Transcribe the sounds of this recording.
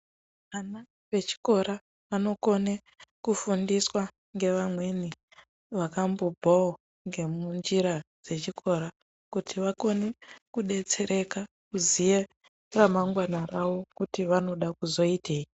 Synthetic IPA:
ʋana | ʋe̞t͡ʃi̥ko̞ɾa | ʋano̞ko̞ne | kufundiswa | ŋɡe̞ʋamwe̞ni | ʋakambobʱao | ŋɡe̞mund͡ʒiɾad͡ze̞t͡ʃikʰo̞ɾa | kutʰiʋako̞nekuɗe̞t͡se̞ɾe̞ka | kuzije | ramaŋɡwanaraʋo̞kutiʋano̞ɗakuzo̞itei

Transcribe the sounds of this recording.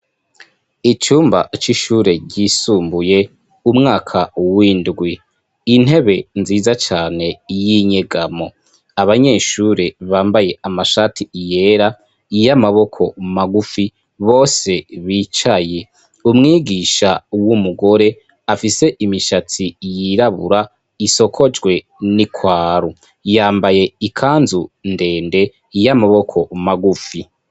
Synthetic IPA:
it͡ʃuːmba̰t͡ʃiʃuɾe̞ɟiːsuːmbuje̞ | umŋaːkʰawiːndɡwiː | n̥e̞βe̞nziːzat͡ʃaːne̞jiɲe̞ɡamo̞ | aβaɲe̞ːʃuɾe̞βaːmbaje̞amaʃatʰiije̞ːɾa | ijamaβo̞kʰo̞maɡufi | βo̞ːse̞βiːt͡ʃaje̞ | umŋiːɡiʃawumuɡo̞ɾe̞ | afise̞ʔimiʃat͡sijiɾaβṵɾa | iso̞kʰo̞d͡ʒɡwe̞ | nikwaːɾu | jaːmbaje̞ikʰaːnzunde̞ːnde̞ | jamaβo̞kʰo̞maɡufi

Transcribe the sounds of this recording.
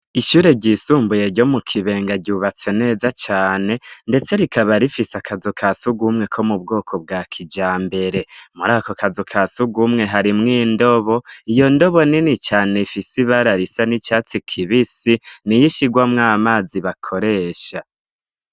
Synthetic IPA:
iʃuːɾe̞ɟisuːmbuje̞ɾɟo̞mukʰiβe̞ːŋɡaɟuːβat͡se̞ne̞ːzat͡ʃaːne̞nde̞t͡se̞ɾikaβaɾifisakazukʰasuɡumŋe̞kʰo̞mub̚ɡo̞ːkʰob̚ɡaːkʰid͡ʒaːmbe̞ɾe̞muɾaːkokazukʰasuɡumŋe̞ɦaɾimŋiːndo̞βo̞ijo̞ndo̞βo̞ninit͡ʃaːne̞ifisiβaɾaɾisanit͡ʃaːt͡sikʰiβisinijiʃiɡwamŋaːmaːziβakʰo̞ɾe̞ːʃa

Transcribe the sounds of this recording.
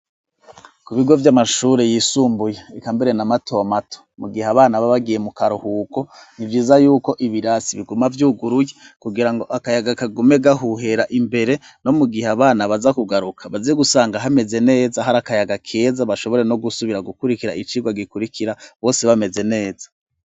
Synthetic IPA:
kuβiɡo̞vjamaʃuːɾe̞jiːsuːmbujeikaːmbeɾe̞namatʰo̞matʰo̥muɡihaβaːnaβaβaɡije̞mukaɾuhuːko̞nivɡiːzajuːko̞ʔiβiɾasiβiɡumavjuːɡuɾujekuɡiɾaŋɡo̞ʔakajaɡakaɡumeɡaɦuɦe̞ɾaʔimbe̞ɾe̞ | no̞muɡihaβaːnaβazakuɡaɾukʰaβaziɡusaːŋɡaɦame̞ze̞ne̞ːzaɦaɾakajaɡakʰeːzaβaʃo̞βo̞ɾe̞no̞ɡusuβiɾaɡukuɾikiɾa̰ʔit͡ʃiːɡwaɡikuɾikʰiɾaβo̞ːse̞βame̞ze̞ne̞ːzḁ

